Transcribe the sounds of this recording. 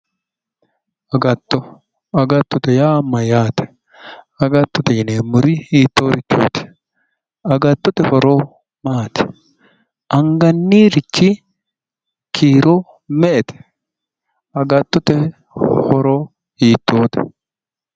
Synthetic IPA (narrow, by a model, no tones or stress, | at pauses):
ɐɡɐt̪ːɔ | ɐɡɐt̪ːɔt̪ɛjaːmːɐjaːt̪ɛ̥ | ɐɡɐt̪ːɔt̪ɛɪneːmːʊɾɪhiːt̪ːoːɾɪt͡ʃːo̰ːt̪ɪ̥ | ɐɡɐt̪ːɔt̪ɛhɔɾoː | maːt̪ɪ̥ | ʔɐŋɡɐnːiːɾɪt͡ʃːi | kʰiːɾoː | mɛʔɛt̪ɛ̥ | ɐɡɐt̪ːɔt̪ɛ | hɔɾoː | hiːt̪ːoːt̪ɪ̥̰